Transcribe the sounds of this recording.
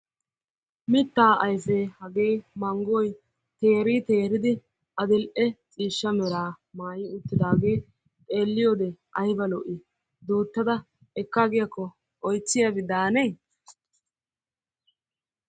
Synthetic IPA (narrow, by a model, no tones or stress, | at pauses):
mɪt̪ːaːʔɐjfeːhɐɡe̞ːmɐŋɡɔj | t̪e̞ːɾit̪e̞ːɾɪd̪ɪ | ʔɐd̪ɪlʔɛt͡sʼiːʃːɐmɛɾaː | maːjɪʊt̪ːɪd̪aːɡeː | t̪ʼe̞ːlːɪjoːd̪ɛʔɐjbɐlɔʔɪ | d̪uːt̪ːɐd̪ɐ | ɛkːaɡɪjɐkːɔ | ɔjt͡sːɪjɐbɪd̪aːneː